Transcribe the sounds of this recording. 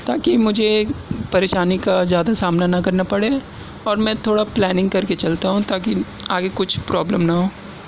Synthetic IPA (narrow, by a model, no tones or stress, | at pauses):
t̪aːkimʊd͡ʒʱepɐɾeːʃaːnikazjaːd̪asaːmnanɐkɐɾnapɐɽe | ɔːɾmɛ̃ːt̪ʰoːɽaplɛːnɪ̃ŋɡ̚kɐɾket͡ʃɐlt̪aɦũt̪aːkiaːɡekʊt͡ʃʰpɾɔːbləmnɐɦoː